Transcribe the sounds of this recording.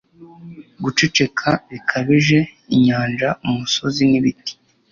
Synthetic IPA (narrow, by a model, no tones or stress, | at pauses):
ɡut͡ʃet͡ʃe̞kʰaβikʰaβiʒe̞iɲaːnd͡ʒaumuso̞ziniβiti̥i